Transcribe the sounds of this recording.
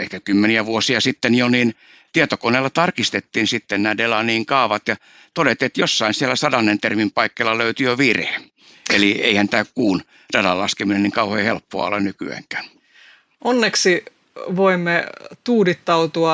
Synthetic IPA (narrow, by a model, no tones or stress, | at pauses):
ehkækymːeniæʋuosiɑsit̪ːenjoniːn | t̪iet̪okoneːlːɑt̪ɑrkist̪et̪ːiːnsit̪ːennæːdelɑniːŋkɑˑuʋɑt̪jɑ | t̪odet̪iet̪josːɑinsielːˑæsɑdɑnːent̪ermimpɑikːeːlːɑløyt̪yjoʋirhe | ḛliḛihænt̪æːkkuːn | d̥elɑllɑskemineniŋkɑuhoehelpːo̰ɑ̰o̰lːɑnnyky̰æ̰ŋkæ̥ːn | ʔonːeksi | ʋoimːet̪uːdit̪ːɑut̪uɑ